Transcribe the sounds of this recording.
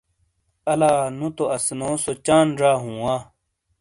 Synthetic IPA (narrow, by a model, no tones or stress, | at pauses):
ɐlaːnũt̪oɐsnoːsot͡ɕaːnɾaːɦũːwãː